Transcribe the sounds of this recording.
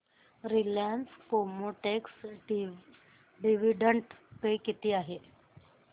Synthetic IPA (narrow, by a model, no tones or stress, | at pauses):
ɾiljanskomoʈeks | ɖiʋiɖəɳʈpekit̪iːaɦe